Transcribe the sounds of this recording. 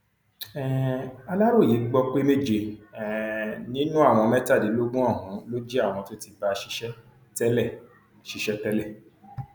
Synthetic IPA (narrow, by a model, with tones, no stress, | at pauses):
ɛ˦˨a˧la˦ɾo˦˨ji˨˦ɡ͡bɔ˧k͡pe˦me˦˨d͡ʒe˧ɛ˨nĩ˦nũ˦a˦˨w̃ɔ̃˧mɛ̃˦ta˦˨di˨˦lo˦ɡũ˦ɔ˦˨ɦũ˨˦lo˦d͡ʒe˦a˦˨w̃ɔ̃˧to˦ti˧ba˧ʃi˧˦ʃɛ˦ | tɛ˦lɛ˦˨ | ʃi˧ʃɛ˦tɛ˦lɛ˦˨